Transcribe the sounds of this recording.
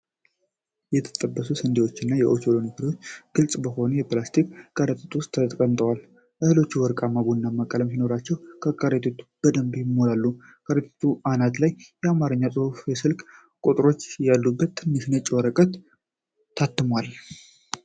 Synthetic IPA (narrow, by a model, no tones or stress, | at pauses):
jɛt̪ʰə̥t̪ʼəbːəsusənd̪ewo̞t͡ʃːɪnːajɛʔot͡ʃolonik̪ʰəɾiwo̞t͡ʃːɡ̥ɨlsʼbəho̞nəjɛplast̪ʰikɡ̥aɾət̪ʼət̪ʰuwʊst̪ʰːəkʼənt̪ʼəwal | ʔəhɨlo̞t͡ʃːuwɔɾkʼamːaβunːamakʼələmsino̞ɾat͡ʃːɛwkʰəkʼaɾət̪ʰʼet̪ʰːu̥b̥əd̪əmbjɪmoɾalːu | kʰʼəɾet̪ʰet̪ʰːuʔanat̪lajjɛamaɾəɲːasʼɨhfjɛsɨlkʼ | kʼut̪ʼɾo̞t͡ʃːjalːubːət̪ʰːɨnːɨʃnət͡ʃʼːɪwɔɾəkʼət̪ʰː | at̪ːɨmwal